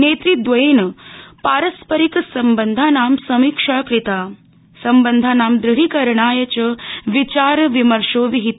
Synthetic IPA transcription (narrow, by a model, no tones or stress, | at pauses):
neːt̪ɾid̪ʋɐeːnɐpaːɾɐspɐɾiksɐmbənd̪ʱaːnaːmsɐmiːkʂaːkɾit̪aː | sɐmbənd̪ʱaːnaːmd̪ɾiɽ̤ikɐɾɳaːjɐt͡ʃɐʋit͡ʃaːɾʋimɐɾʂoːʋiɦit̪